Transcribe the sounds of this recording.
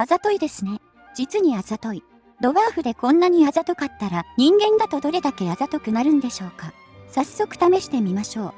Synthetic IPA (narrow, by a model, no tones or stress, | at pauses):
azat̪o̞id̪e̞sɨne̞ | d͡ʑit͡sɨɲ̟iazat̪o̞i | d̪o̞βaːɸɯ̟d̪e̞kõ̞nːaɲ̟iazat̪o̞kat̪ːaɾaɲ̟ĩŋɡẽ̞nd̪at̪o̞d̪o̞ɾe̞d̪ake̞azat̪o̞kɯ̟naɾɯ̟̃nd̪e̞ɕo̞ːka | sasːo̞kɯ̟̥t̪ame̞ɕi̥t̪e̞mʲimaɕo̞ː